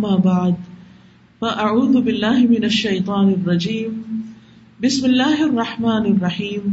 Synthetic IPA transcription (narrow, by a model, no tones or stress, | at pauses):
mːaːbaʕd̪ | faʔaʕuːðbɪlːaːhmɪnaʃːajt̪ˤɑːnɑrˤːɑd͡ʒiːm | bɪsmɪlːaːhɑrˤːɑħmaːnɑrˤːɑħiːm